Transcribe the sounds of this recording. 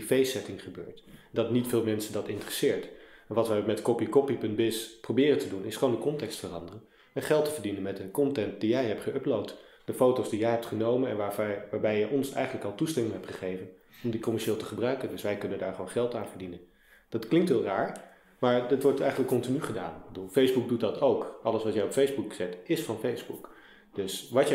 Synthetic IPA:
fejsɛtɪŋχəbø̰ːɹtdɑtnitfɪːlˠmɛnsəndɑtɪntərəsɪːɹtɛnʋɑtʋəmɛtkɔpikɔpipɵnt̚bɪsprowbɪːrəntədunɪsχəʋowndəkɔntɛkstfərɑndərən | ɛnχɛlˠtəvəɹdinənmɛtəkɔntɛnt̚dijɛjɦɛptχəʔɵplowt | d̥əfowtowsdijɛjɦɛp̚tχənowmənɛ̰nʋaʋaːɹbɛjɛjʔɔnsɛ̰jχənləkɑlˠtustɛmɪŋɦɛptχəχejvən | ɔmdikɔmɛɹʃeːlˠtəχəbrœɥkəndɵsʋɛjkɵnəndaːɹχəʋownχɛlˠtaːnvəɹdinən | d̥ɑtklɪŋktɦɪːlˠraːɹ | maːɹdɑtʋɔɹtɛjχənləkːɔntinyχəda̰ːnbəduːlˠfejzbuk̚dut̚dɑtʰowkɑləsʋɑtjɛjɔpfejzbukz̥ɛtɪsfɑnfejzbṵk | d̥ɵsʋɑt

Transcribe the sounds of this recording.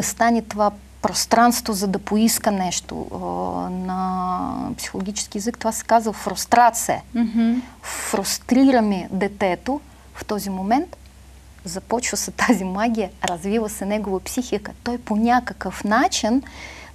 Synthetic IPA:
ɐst̪anʲɛt̪ova | pɾost̪ɾanst̪vozɐd̪ɐpoiskənɛʃt̪o̰ | nɐ | psi̥xolˠoɡʲit͡ʃɛ̥sk̟ijɛzɨkt̪ovasɛ̥kazvəfɾust̪ɾat̪siə̰ | fɾust̪ɾiɾəmid̪ɛt̪ɛt̪o | ft̪ɔzʲimomɛnt̪ | zɐpɔt͡ʃvəsɛt̪azimaɡʲijəɾɐzvivəsɛnɛɡovəpsʲixikət̪ɔjponʲakəkəfnat͡ʃin

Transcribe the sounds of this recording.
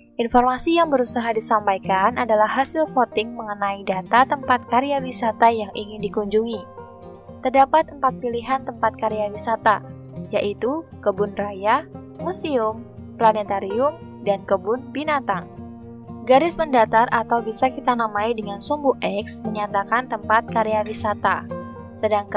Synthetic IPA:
ʔinfɔrmasijaŋbəɾusaɦadisampajkanʔadalahːasɪlkot̪ɪŋməŋənaidat̪at̪əmpat̪̚kaɾijawisat̪ajaŋʔiŋɪndikuɲd͡ʒuŋi | t̪ərdapat̪ːəmpat̪̚piliɦant̪əmpat̪̚kaɾijawisat̪a | jaʔit̪ukəbʊnraja | musiʊmplanɛt̪aɾiʊm | dankəbʊnbinat̪aŋ | ɡaɾɪsməndat̪arat̪awbisakit̪anamaidəŋansumbuhʔɛksməɲat̪akant̪əmpat̪̚kaɾeawisat̪a | sədaŋk

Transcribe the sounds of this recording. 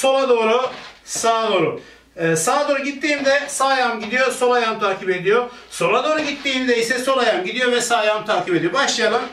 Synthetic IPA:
so̞lˠad̪o̞ːɾusaːd̪o̞ːɾuː | saːd̪o̞ːɾuɟit̪ːiːmd̪ɛsaːjamɟid̪ijoso̞lˠajamt̪ʰaːcʰipe̞d̪ijo | so̞lad̪o̞ːɾuɟit̪ːiːmd̪ɛjisɛso̞lˠajamɟid̪ijo̞vɛsaːjamt̪ʰaːcʰipe̞d̪ijo̞baʃlˠɯjalˠɯm

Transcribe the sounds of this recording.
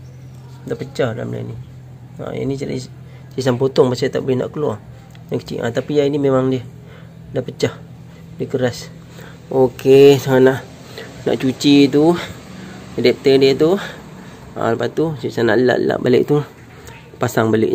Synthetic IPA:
dapət͡ʃahdala̰mla̰ni | a̰ḭnislḭ | sis̬ampot̪ɔŋbasat̪aʔbɪhna̰ʔkəlwɔ | jaŋkə̥t͡ʃḭʔa̰t̪apiainimemaŋdiə | dapət͡ʃah | dikəɾas | ʔokesaŋanaʔ | na̰ʔt͡ʃut͡ʃit̪u | ədɛp̚t̪ədiət̪u | a̰ləpat̪usiisana̰ʔləla̰ʔlə̰la̰ʔbalɪ̰ʔt̪u | pasaŋbalɪ̰ʔ

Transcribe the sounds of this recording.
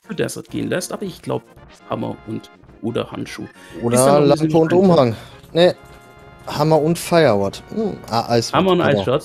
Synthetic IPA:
fədɛ̰sɐt̚ɡ̥ḛːənlɛstʔaːbɐɪçɡ̥la̰ʊbə | hamɐ̰ʊnt | ʔoːdɐ̰ha̰ntʃṵːʔoːdɐlampəʊntʊmhaŋnə | hamɐʊntfaɪɐwɔt̩ʔa̰ʔaɪshamɐʊnʔa̰ɪsʃɔ

